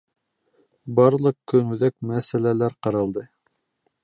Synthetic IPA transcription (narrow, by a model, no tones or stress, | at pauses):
bɑɾlˠɤqkɵnʉðæk̚mæsælælæɾqɑɾɑlˠd̪ɤ